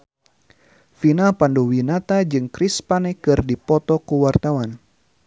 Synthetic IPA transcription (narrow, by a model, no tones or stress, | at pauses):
finalpanduwinat̪ad͡ʒɨŋkɾispanɛkɨrdipɔt̪ɔkuwart̪awan